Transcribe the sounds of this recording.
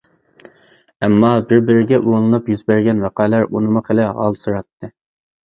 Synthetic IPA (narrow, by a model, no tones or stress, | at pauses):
ɛmːɑbɪɾbɪɾɪɡʲɛʔulˠɨnupjyzbæɾɡʲɛnwæqɑlæɾunɨmʊqʰelɪʁɑ̰lˠsɨɾɑt̪ʰːɨ